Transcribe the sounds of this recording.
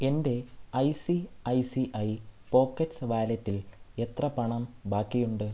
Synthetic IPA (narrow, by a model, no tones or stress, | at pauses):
e̞nde̞ɐjsiɐjsiʔɐjpo̞ːkːetsɨʋaːlɐtːile̞t̪rɐpɐɳɐmbaːkːijuɳɖɨ